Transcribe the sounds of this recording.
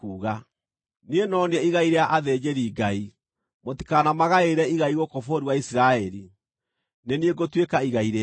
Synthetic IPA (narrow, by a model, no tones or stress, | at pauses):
kuːɣa | nenɔneɛiɣaiɾeaʔaðed͡ʑeɾiːɡai | moti̥kanamaɣaeɾɛiɣaiɣokofoɾiwaisiɾaɛɾi | nenieɡotwekaiɣaiɾe